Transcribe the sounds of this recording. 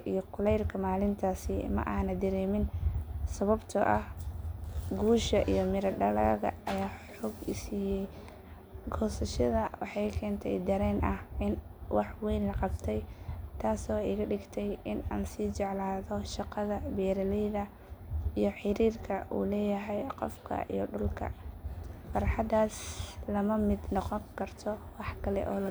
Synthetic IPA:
ʔijɔqʊlɛjrkʰɐmaːlɪnt̪ʰaːsɪmɐ̰ʔaːnɐd̪ɐɾɛːmɪnsɐβɐbt̪ʰʊʔɐh | ɡuːʃɐʔijɔmɪɾɐɖɐlɐ̰ɣɐ̰ʔɐjaːħɔːɡɪsiːjɛj | ɡɔːsɐʃɐðɐwɑ̰ħɑjkʰɛːnt̪ʰɛ̰jd̪ɐɾɛːnʔɐhɪnwɑħwɛːnlɐqɑbt̪ʰɛjt̪ʰaːsɔːɪɣɐɖɪɡt̪ʰɛjɪna̰ːnsiːt͡ʃɛʕlaːðɔʃɑqɑðɐbɛːɾɐlɛjðɐ | ijɞħɪɾiːrkʰɐʔṵːlɛːjɐɦɛjqɔ̰fkʰɐ̰ʔḭjɞɖʊlkʰɐ̰ | fɑɾħɑd̪aːslɐmɐmɪd̪nɔqɔŋkʰɐrt̪ʰɔwɑħkʰɐlɛ̰ʔɔ̰ːlɐ

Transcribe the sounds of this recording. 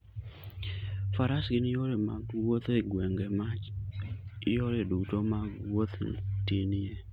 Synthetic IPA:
faɾasɡɪnjoɾema̰ɡwot̪eɡwɛŋɡɛma | joɾedutomawot̪tenɪje

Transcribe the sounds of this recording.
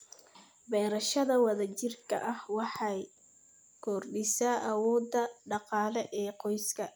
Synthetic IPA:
bɛːɾɐʃɐðɐwɑðɐt͡ʃɪrkʰɐ̰ʔɐhwɑħɑj | kʰɔrɗɪsaːʔɐwɔːd̪ːɐɖɑqɑːlɛʔɛːqɔjskʰɐ

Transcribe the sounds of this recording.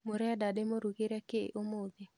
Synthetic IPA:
moɾɛadademoɾuɡɪɾɛkeʔomod̪ɪ

